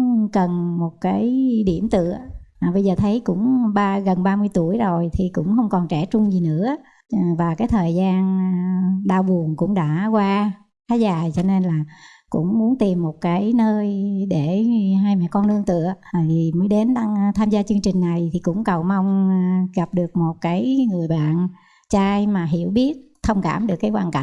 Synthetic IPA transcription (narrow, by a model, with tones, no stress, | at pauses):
kə˨˩nmo˨˩t̚kaː˨˦jɗi˧˩əmt̪ɨ̰˧˨ə˨˩ɓə˧jzəː˨˩t̪ʰə˨˦jkʊ̰˧˥ŋ͡mɓaː˧ɣə˨˩nɓaː˧mɨ˧əjt̪u˧˩əjzo˨˩jt̪ʰi˨˩kʊ̰˧˥ŋ͡mhə˧wŋ͡mkɔ˨˩nt͡ɕɛ˧˩t͡ɕʊ˧ŋ͡mzi˨˩nɨ̰˧˥ə˨ | vaː˨˩kaː˨˦jt̪ʰəː˨˩jzaː˧n | ɗaː˧wɓu˨˩ənkʊ̰˧˥ŋ͡mɗa̰ː˧˥kwaː˧ | xaː˨˦jzaː˨˩jt͡ɕɔ˧ne˧nlaː˨˩kʊ̰˧˥ŋ͡mmu˨˦nt̪i˨˩mːo˨˩t̚kaː˨˦jnəː˧jɗe˧˩ɦaː˧jmɛ˨˩kɔ˧nnɨ˧əŋt̪ɨ̰˧˨ə˨jvi˨˩məː˨˦jɗe˨˦nɗa˧ŋt̪ʰaː˧mzaː˧t͡ɕɨ˧əŋt͡ɕï˨˩ŋ̟na˨˩jt̪ʰi˨˩kʊ̰˧˥ŋ͡mkə˨˩wma˧wŋ͡mɣa˨˩p̚ɗɨ˨˩ək̚mo˨˩t̚kaː˨˦jŋɨ˨˩əjɓa̰ː˧˨n | t͡ɕaː˧jmaː˨˩ɦi˧˩əwɓi˦˥ət̚ | t̪ʰə˧wŋ͡mkaː˧˩mɗɨ˨˩əkːaː˨˦jkwaː˧˩nka̰˧˨jŋ